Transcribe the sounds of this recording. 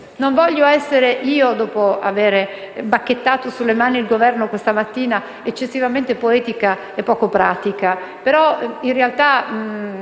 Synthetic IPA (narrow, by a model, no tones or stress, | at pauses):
noɱvɔʎːoɛsːeɾeʔiːod̪ɔːpoa̰veːɾe | bakːet̪ːaːt̪osulːemaːniːlɡovɛrnokwest̪amat̪ːiːna | et͡ʃːesːivament̪epoɛːt̪ika | epːɔːkopɾaːt̪ika | peɾɔinrealt̪a